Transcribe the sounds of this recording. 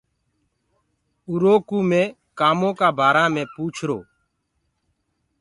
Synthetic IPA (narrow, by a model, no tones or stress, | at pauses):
uɾoːkuːmẽː | kaːmõːkaːbʱaːɾaːmẽːpuːt͡ʃʰɾoː